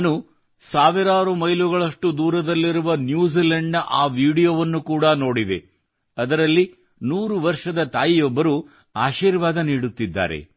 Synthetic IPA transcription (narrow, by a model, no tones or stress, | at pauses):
nu | saːʋiɾaːɾumɐjluɡɐɭɐʂʈud̪uːɾɐd̪ɐlːiɾuʋɐnjuːziːleɳɖnɐʔaːʋiːɽijoːʋɐnːukuːɽɐno̞ːɽid̪e̞̰ | ɐd̪ɐɾɐlːi | nuːɾuʋɐɾʂɐd̪ɐt̪aːjijɔbːɐɾu | aːʃiːɾʋaːd̪ɐniːɽut̪ːid̪ːa̰ːɾḛ